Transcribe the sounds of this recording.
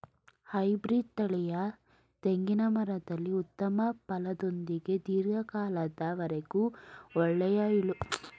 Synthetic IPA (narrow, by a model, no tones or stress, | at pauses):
hɐjbɾiːɖ̚t̪ɐɭɛjɐ | t̪eŋɡinɐmɐɾɐd̪ɐlːiut̪ːɐmɐpɐlɐd̪o̞nd̪iɡe̞d̪iːɾɡɐkaːlɐd̪ɐʋɐɾeɡuɔɭːɛjaːjilu